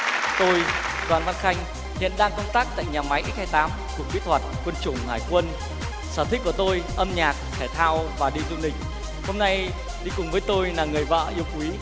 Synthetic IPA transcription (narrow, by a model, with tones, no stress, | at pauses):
t̪o˧jɗwaː˨˩nva˧nxa˧jŋ̟ | hḭ˧˨ənɗaː˧ŋkə˧wŋ͡mt̪aː˦˥k̚t̪a̰ː˧˨jɲaː˨˩ma˨˦jʔi˦˥k̚haː˧jt̪aː˨˦m | ku˨˩ək̚ɓi˦˥t̚t̪ʰwa˨˩t̚kwə˧nt͡ɕʊ˧˩ŋ͡mhaː˧˩jkwə˧n | saː˧˩t̪i˦˥k̟̚ku˧˩t̪o˧jʔə˧mɲaː˨˩k̚k̪ʰɛː˧˩t̪ʰaː˧wvaː˨˩ɗi˧zṵ˧˨nɗï˨˩ŋ̟ | ho˧mna˧j | ɗi˧kʊ˨˩ŋ͡mvəː˨˦jt̪o˧jlaː˨˩ŋɨ˨˩əjva̰ː˧˨ʔi˧əwkwi˨˦